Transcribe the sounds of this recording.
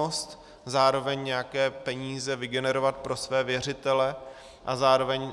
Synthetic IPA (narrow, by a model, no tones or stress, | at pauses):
ost̪ | zaːɾo̞vɛɲɲɛjakɛːpɛɲiːzɛvɪɡɛnɛɾo̞vat̪̚pɾo̞svɛːvjɛr̝ɪt̪ɛlɛ | ʔazaːɾo̞vɛɲ